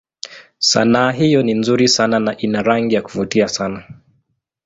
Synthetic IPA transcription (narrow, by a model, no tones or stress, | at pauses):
sa̰naːɦijɔninzuɾisananaʔinaɾaŋɡijaku̥vutiasana